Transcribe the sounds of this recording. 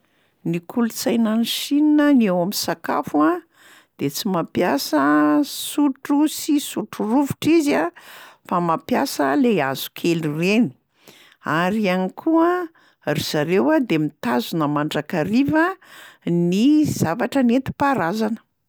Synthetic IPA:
nikʰulut͡sajnaniʃininənewaminsaka̰fua | d̪̥et͡simapjasəsuʈ͡ʂusisuʈ͡ʂuruvuʈ͡ʂizafamapjasəleaz̥u̥kʰelireni̥ | aɾianikʰuə | riz̥aɾewad̪emit̪azunəmaɳɖ͡ʐakaɾivə | niz̥avaʈ͡ʂənet̪i̥paɾazanə̥

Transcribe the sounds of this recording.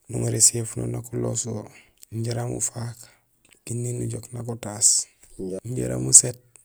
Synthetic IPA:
nuŋɾisefuno̰nakulo̰so | ɲɟeɾamṵfak | kinːinuɟoknakotaːs | ɲɟḛɾa̰muset̚

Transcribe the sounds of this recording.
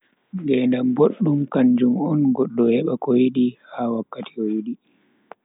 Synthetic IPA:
ŋɡɛndamboɗːumkand͡ʒumɔnɡɔɗːɔhɛɓakɔjiɗihawakːatiɔjiɗi

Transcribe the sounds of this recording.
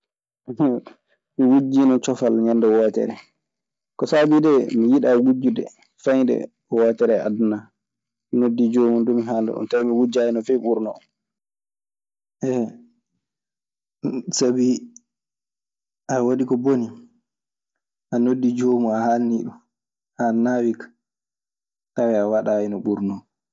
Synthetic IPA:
miwud͡ʒːinɔt͡ʃɔfalɲɛndɛwɔːtɛ̰ɾɛ̰ | kɔsabidɛmijiɗawud͡ʒːudɛ̰ | fajdɛ̰ | wɔtɛɾɛa̰duna | minodːid͡ʒoːmundumiɦandṵɗṵmtamiwud͡ʒajɛnɔfɛɓuɾnɔ | ʔɛ | sabi | ʔawaɗikɔboni | ʔanodːid͡ʒomuahanːiɗu | hanawikḁ | tawɛawaɗajinɔɓuɾnɔ

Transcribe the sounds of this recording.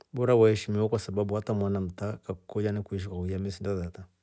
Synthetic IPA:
buɾawaeʃimiwakwasababuatamwanam̩takakkod͡ʒanakuiʃ̬ikakuamis̬indazata

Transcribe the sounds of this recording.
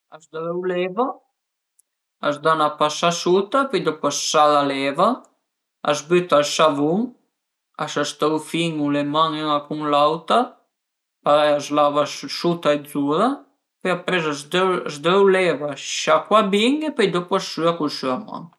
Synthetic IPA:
azd̪ɾɛwlɛva | azd̪anapasasut̪apɛjd̪ɔpwasːalalɛva | a̰zbyt̪alsavuŋ | asast̪awfiŋulemaŋɛŋakuŋlawt̪a | paɾajazlavassut̪aed̪zuɾa | pɛjapɾɛzazd̪azd̪ɛwlɛvaʃakwabiŋepɛjd̪ɔpasːyakulsyama̰ŋ

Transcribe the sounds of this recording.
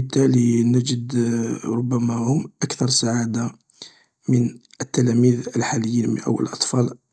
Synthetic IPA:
ət̪ːælinæd͡ʒəd̪ɾˤʊbːæmæhʊmʔækθɑɾˤsaʕad̪a | mənət̪ːælæmiðəlħaləjːinmə̰nʔə̰wːə̰lʔɑt̪ˤfɑl

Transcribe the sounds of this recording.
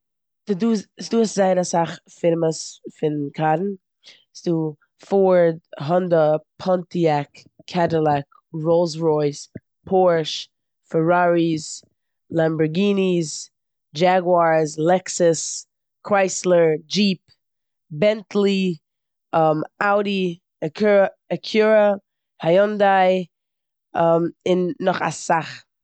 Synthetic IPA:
dusduːszaɪnasaχfɪnməsfɪnkʰadn̩ | sduː | foɹdɦɔndəpʰɔntiakʰː | ɛtəlˠak | ɹolˠsɹɔɪs | pʰɔɹʃ | fəɹaɹiz | lˠambəɹɡiːniz | d͡ʒaɡwaɹzlɛksəs | kʰɹaɪslˠəɹd͡ʒiːp | bɛntlˠi | ɔmaʊɾi | ək | əkʰjuɹə | hajɔndaɪ | ɔmɪnːɔχa̰saχ

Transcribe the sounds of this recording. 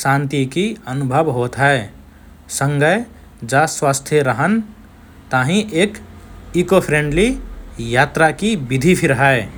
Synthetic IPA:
ʃãːnt̪ikiənʊbʱəʋɦoːt̪ɦɛe | sə̃ŋɡəj | d͡ʒaswaːst̪ʰjəɾəɦən | t̪aːɦĩʔeːk | ikopʰɾẽːɳɖlijaːt̪ɾakibɪd̪ʱipʰɪɾɦae

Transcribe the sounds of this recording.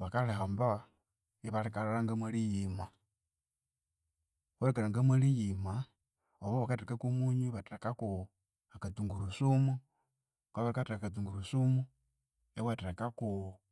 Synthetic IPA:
βakalehamba | eβaɾikaɾaɾaŋɡamwalijima | βaɾekalaŋɡamalijima | oβoβakatiɾakakumuɲiβatiɾakaku | akatuŋɡuɾusumu | kaβaɾikatɾakatuŋɡuɾusumu | ewatakaku

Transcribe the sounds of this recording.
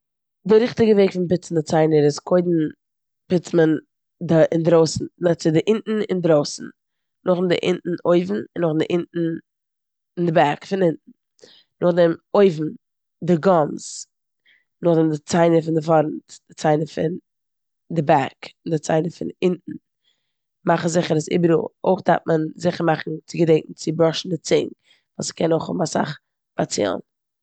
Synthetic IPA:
dɪɾɪχtɪɡəveɪkfɪnpɪt͡sn̩dɪt͡saɪnəɾɪskʰoɪdn̩ | pɪt͡smən | dɪʔɪndɾoʊsn̩nɛt͡sɪdɪʔɪntn̩ɪ̰ndɾoʊsn̩ | nʊχndɪ̰ʔɪ̰nʔn̩oɪvn̩ɪnʊχndɪʔɪntn̩ | ɪndɪbakfɪnɪntn̩ | nʊχdɛmoɪvn̩ | dɪɡɔns | nʊχdɛmdɪt͡saɪnəfɪndɪfɔɾn̩td̥ɪt͡saɪnəfɪ̰n | dɪbakɪndɪt͡sa̰ɪnəfɪ̰nɪntn̩ | maχn̩zɪχəɾəsɪ̰bəɾṵo̰ɪχda̰ɾt̚mənzɪχəɾmaχn̩t͡sɪɡədɛɪŋkŋ̩t͡sɪbɾɔʃn̩dɪt͡sɪ̰ŋ | vaːskʰɛnoɪχhʊbm̩asa̰χ | b̥at͡sḭlˠn

